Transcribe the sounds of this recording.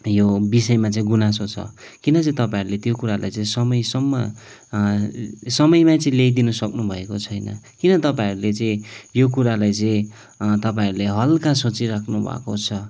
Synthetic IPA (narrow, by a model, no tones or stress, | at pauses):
jobisʌjmat͡saĩɡunas̬ot͡sʰʌ̰kinʌt͡sʌĩt̪ʌpãiɾulet̪jokuɾala̰jt͡saĩsʌmʌjsʌmːʌ | sʌmʌjmat͡sʌĩlejd̪inʌsʌknubʱʌekot͡sʰʌjnʌ̰ | kinʌt̪ʌpaiɾulet͡sʌĩjok̬uɾalajt͡sʌĩ | t̪ʌpaiɾuleɦʌlkasot͡siɾakʰnubʱa̰kot͡sʰʌ